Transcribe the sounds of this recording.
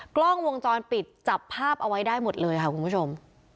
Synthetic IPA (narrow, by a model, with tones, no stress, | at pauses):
klɔ˥˩ŋwo˧ŋt͡ɕɔː˧npi˨˩t̪̚t͡ɕa˨˩pʰːaː˥˩p̚ʔa˧wa˦˥jdaː˥˩jmo˨˩t̪̚lɤː˧jkʰa˥˩ku˧npʰu˥˩t͡ɕʰo˧m